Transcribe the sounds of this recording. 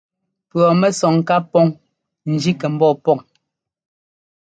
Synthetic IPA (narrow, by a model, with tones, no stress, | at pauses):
pɰɔ˨mɛ˦sɔ˨ŋ˨ka˦pɔ˦ŋ | n̩˨d͡ʒi˦kɛ˨m̩˦bɔ˦˨pɔ˦˨ŋ